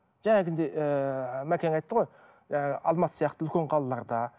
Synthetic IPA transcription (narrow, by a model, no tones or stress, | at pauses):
ʒ̥æŋeɡʲend̪eʔəmækʲeŋɑjt̪ːəʁo̞j | ʒæŋɑɡʲɪʔɑlˠmɑt̪ə̥sijɑqt̪əʏlkʲe̞ɴqʰɑlˠɑlˠɑɾd̪ɑ